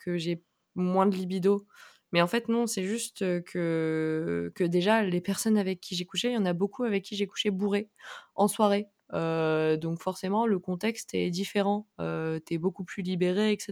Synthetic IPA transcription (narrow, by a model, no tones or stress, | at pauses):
kəʒe | mwɛ̃d̪əlibid̪o | mɛɑ̃fɛt̪nɔ̃sɛʒyst̪økʰə | kəd̪eʒalepɛʁsɔnavɛkʰʲːiʒɛkuʃejɑ̃nabokʰuavɛkʰʲːiʒɛku̥ʃebuʁeɑ̃swaʁe | ød̪ɔ̃kfɔʁsemɑ̃ləkɔ̃t̪ɛkst̪ɛd̪ifeʁɑ̃øt̪yɛbokuplylibeʁeːkse